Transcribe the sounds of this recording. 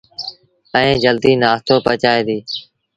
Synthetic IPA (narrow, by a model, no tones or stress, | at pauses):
ə̃ẽːd͡ʒəld̪iːnaːst̪oːpət͡ʃaːeːd̪iː